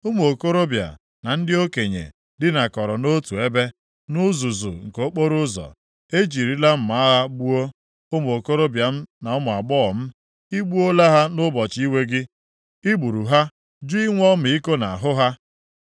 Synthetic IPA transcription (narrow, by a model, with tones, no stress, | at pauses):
ʊ˦m˨o˨ko˦ɾo˦bja̰˨ | na˨n̩˦dɪ˦o˦ke˨ɲḛ˨ | dɪ˦na˨kɔ˨ɾɔ˨no˦tu˨e˦be˦ | nʊ˦zu˨zṵ˨ŋ̩˨ko˨˦k͡po˦ɾʊ˦zɔ̰˨ | e˦d͡ʒi˨ɾi˦la˦m̩˨ma˨˦ɦa˦ɡ͡bu˦o˦ | ʊ˦m˨o˨ko˦ɾo˦bja˨m̩˦na˨ɔ˦mʊ˨a˨ɡ͡bɔ˦˨m̩˦ | i˦ɡ͡bu˦o˦la˦ɦa˦nʊ˦bɔ˨t͡ʃi˦we˦ɡɪ˦ | i˦ɡ͡bu˨ɾu˨ɦa˦ | d͡ʒu˦i˦ŋʷɔ˦m̩˨i˦ko˦na˨a˨ɦʊ˦ɦa˦